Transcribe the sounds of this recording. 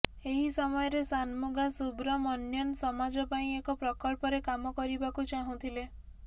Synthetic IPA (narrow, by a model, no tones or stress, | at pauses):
eɦisɔmɔjɔɾesanmuɡasubɾɔmɔnjɔnsɔmad͡ʒɔpaĩekɔpɾɔkɔɭpɔɾekamɔkɔɾibakut͡ʃaɦũt̪ʰile